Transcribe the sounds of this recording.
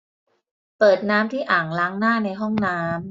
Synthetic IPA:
pɤː˨˩t̪̚naː˦˥mt̪ʰiː˥˩ʔaː˨˩ŋlaː˦˥ŋnaː˥˩na˧jɦɔ˥˩ŋnaː˦˥m

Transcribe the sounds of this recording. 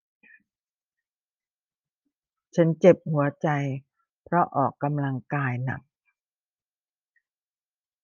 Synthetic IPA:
t͡ɕʰa˦˥nt͡ɕe˨˩p̚hu˩˦ɐt͡ɕa˧j | pʰɾɔ˦˥ʔɔː˨˩kːa˧mla˧ŋkaː˧jna̰˨˩k̚

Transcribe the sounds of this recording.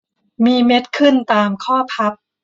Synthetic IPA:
miː˧me˦˥t̪̚kʰɯ˥˩nt̪aː˧mkʰɔː˥˩pʰa˦˥p̚

